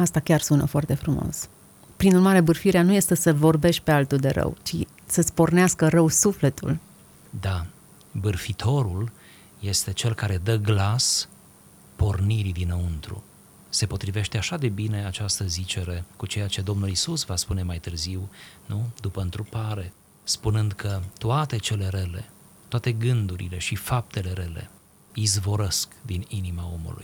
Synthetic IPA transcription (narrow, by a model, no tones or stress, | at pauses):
ast̪akʲarsunə̰foart̪e̞fɾumo̞̰s | pɾinurmaɾe̞bɨrfiɾeanuje̞st̪esəvo̞rbe̞ʃ̚ʲpe̞alt̪uld̪e̞ɾə̰wt͡ʃi | səspo̞rneaskərəwsufle̞t̪ṵl | d̪a | bɨrfit̪ʰo̞ɾul | je̞st̪e̞t͡ʃe̞lkaɾe̞d̪əɡlas | po̞rniɾid̪inəunt̪ɾṵ | se̞po̞t̪ɾive̞ʃt̪e̞aʃad̪e̞bine̞at͡ʃast̪əzit͡ʃe̞ɾe̞kut͡ʃe̞jat͡ʃe̞d̪o̞mnulisusvaspune̞majt̪ɨrziwnud̪upəɨnt̪ɾupaɾe̞ | spunɨnd̪kʰət̪oat̪e̞t͡ʃe̞le̞ɾele̞̰ | t̪oat̪e̞ɡɨnd̪uɾḭle̞ʃifap̚t̪e̞le̞ɾe̞le̞̰ | izvo̞ɾəskd̪ininimao̞mṵlṵj